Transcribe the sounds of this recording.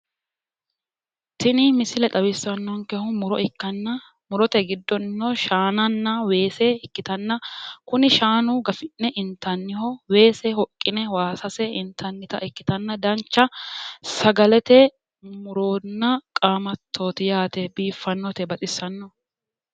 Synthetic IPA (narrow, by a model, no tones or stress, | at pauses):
t̪ɪnɪmɪsɪlɛt̪ʼɐbɪsːɐnːɔŋkɛhʊmʊɾɔʔɪkːɐnːɐ | mʊɾɔt̪ɛɡɪd̪ːɔnːoʃaːnɐnːɐwe̞ːsɛɪkːɪt̪ɐnːɐkʊnɪʃaːnʊɡɐfɪnːɛʔɪnt̪ːɐnːɪhɔwe̞ːsɛhɔkʼːɪnɛwaːsɐsɛɪnt̪ʰɐnːɪt̪ɐ̰ʔɪkːɪ̥t̪ɐnːɐd̪ɐnt͡ʃːɐsɐɡɐlɛt̪ɛ | mʊɾoːnːɐkʼaːmɐt̪ʰːo̞ːt̪ɪjaːt̪ɛbiːfːɐnːɔt̪ɛbɐt̪ʼɪsːɐnːɔ